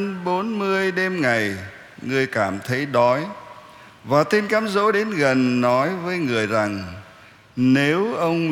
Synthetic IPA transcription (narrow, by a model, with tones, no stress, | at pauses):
nɓo˨˦nmɨ˧əjɗe˧mŋa˨˩j | ŋɨ˧əjkaː˧˩mt̪ʰə˨˦jɗɔ˨˦j | vaː˨˩t̪e˧nkaː˨˦mzo̰˧˥ɗe˨˦nɣə˨˩nːɔ˨˦jvəː˨˦jŋɨ˨˩əjza˨˩ŋ | ne˨˦wʔə˧wŋ͡m